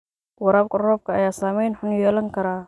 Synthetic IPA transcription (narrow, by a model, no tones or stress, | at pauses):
wɐɾaːbkʊrɔːb̚kʰɐɐjaːsaːmɛjnħʊnjɛːlɐŋkʰɐɾaː